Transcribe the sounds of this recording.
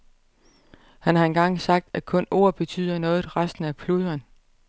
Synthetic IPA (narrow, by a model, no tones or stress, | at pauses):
hænhɑ̈e̝nɡ̥ɑ̈ŋ̰sɑ̈ɡ̥̚d̥ækʰɔ̽no̝ɐ̰b̥e̝t͡sʰy̰ːð̞̰ˠɐnɔ̽ːð̩ˠʁasd̥n̩æpʰluðˠɐn